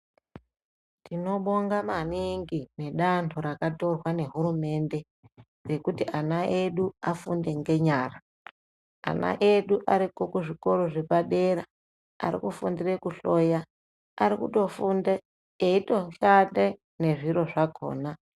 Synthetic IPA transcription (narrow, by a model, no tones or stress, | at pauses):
tʰino̞ɓo̞ŋɡamaniŋɡine̞ɗantʰoɾakato̞rwane̞ɦurume̞nde̞ | re̞kutiʔanaʔeɗuafunde̞ŋɡe̞ɲaːra | a̰na̰ʔeɗuʔaɾiko̞kuʐiko̞ɾoʐepaɗeɾa | a̰ɾḭkufundirekuɬo̞ja | aɾikṵto̞funde | eito̞ɬande | ne̞ʐiɾo̞ʐakʰo̰ːna